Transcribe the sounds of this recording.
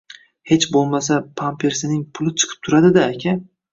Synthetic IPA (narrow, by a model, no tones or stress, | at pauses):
he̞t͡ʃbolˠmasapʰampʰe̞ɾsɪnɪŋpʰʊlˠɪt͡ʃʰɨ̥qʰɨ̥p̚t̪ʰʊɾad̪ɪd̪aːkʲʰa